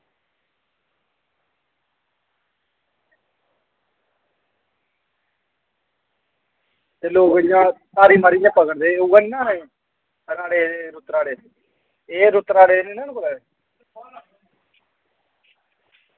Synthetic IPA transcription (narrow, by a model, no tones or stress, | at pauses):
t̪eːloːkɪjãːt̪aːɾiːmaːɾid͡ʒãːpəkəɽd̪eːuɡənãːɛ̃ | ɾaːɽeːɾʊt̪ɾaːɽeː | eːɾʊt̪ɾaːɽeːninãːnkolɛːe